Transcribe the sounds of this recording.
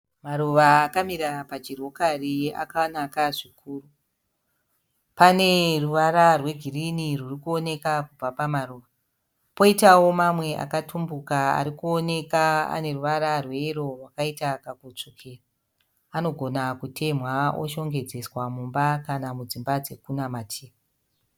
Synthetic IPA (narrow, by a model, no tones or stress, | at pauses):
maɾuʋaːkamiɾapat͡ʃiro̞karia̰kanakaʐikʰuːru | pane̞ruʋaɾarwe̞ɡʱirinirurikuo̞ne̞kakub͡vapamaruʋa | po̞itawo̞mamwe̞ʔa̰katʰumbukaa̰ɾikuo̞ne̞kaa̰ne̞ruʋaɾarwe̞iro̞rwakaitakaɡot͡ʂokʰeːraː | no̞ɡʱo̞nakutʰe̞mwao̰ʃo̞ŋɡe̞d͡ze̞swamumbakanamud͡zimbad͡ze̞kunamatʰeːma